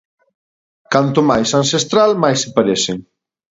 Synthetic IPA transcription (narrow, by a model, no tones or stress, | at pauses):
kant̪ʊmajsansest̪ɾalmajsepaɾeseŋ